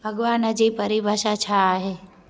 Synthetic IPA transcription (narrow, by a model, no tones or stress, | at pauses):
bʱɐɡʋaːnəd͡ʑiːpəɾibʱaʃat͡ʃʰaːɦeː